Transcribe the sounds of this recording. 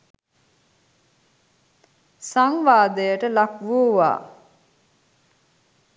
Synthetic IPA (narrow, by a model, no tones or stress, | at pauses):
saŋʋaːd̪əjəʈəlakʋuːʋa̰ː